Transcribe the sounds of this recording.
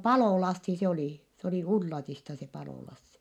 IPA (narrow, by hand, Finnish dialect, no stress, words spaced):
pɑloˑlɑsːi se oliˑ s oli ulːɑtistɑ se pɑloˑlɑsːi